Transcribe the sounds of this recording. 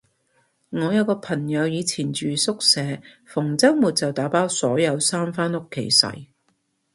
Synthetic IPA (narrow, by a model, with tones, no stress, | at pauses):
ŋɔː˨˧jɐ˨˧wkɔː˧pʰɐ˨˩ŋjɐ˨˧wjiː˨˧t͡sʰiː˨˩nt͡ʃyː˨sʊ˥k̚sɛː˨˧ | fʊ˨˩ŋt͡sɐ˥wmuː˨t̚t͡sɐ˨wt̪aː˨˥paː˥wsɔː˨˥jɐ˨˧wsaː˥mfaː˥nʊ˥kʰːḛ˨˩jsɐ̰˨˩j